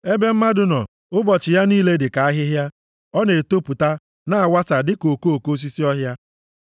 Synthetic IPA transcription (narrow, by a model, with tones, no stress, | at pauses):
e˦be˦m̩˦ma˦dʊ˨nɔ˨ | ʊ˦bɔ˨t͡ʃɪ˨ja˦niː˦le˦dɪ˨ka˨a˦ɦɪ˦ɦja˦ | ɔ˦ne˨to˦pu˨ta˦ | na˨a˨wa˦sa˨dɪ˦ko˨ko˨ko˦s̬i˦si˦ɔ˦ɦja˦